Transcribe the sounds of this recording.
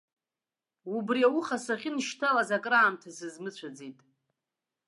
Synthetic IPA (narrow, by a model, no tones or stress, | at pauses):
ubriawuχasaχʲɪnʃtʰalazakʼraːmtʰasɨzmɨt͡ɕʷʰad͡zitʼ